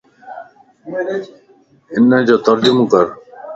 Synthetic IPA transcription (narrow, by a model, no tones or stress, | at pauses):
ɪnd͡ʑoːt̪əɾd͡ʑʊmkəɾ